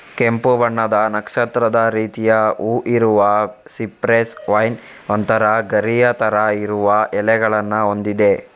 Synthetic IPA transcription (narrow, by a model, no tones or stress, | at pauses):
kempuʋɐɳːɐd̪ɐnɐkʂɐt̪ɾɐd̪ɐɾiːt̪ijɐuːʔiɾuʋɐsipɾesʋɐjn | ɐnt̪ɐɾɐɡɐɾijɐt̪ɐɾɐiɾuʋɐʔɛlɛɡɐɭɐnːɐo̞nd̪id̪e̞